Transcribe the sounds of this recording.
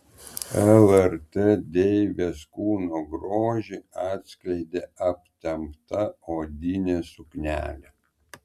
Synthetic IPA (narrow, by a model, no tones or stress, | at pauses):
ɛlˠɛɾt̪ed̪ʲeɪʋʲeskuːnoɡɾoːʒʲiɑːt̪ʲsʲklʲɛɪd̪ʲeːɐpʲt̪ʲɛmpt̪ɐoːd̪ʲɪnʲeːsʊknʲæ̰ːlʲɛ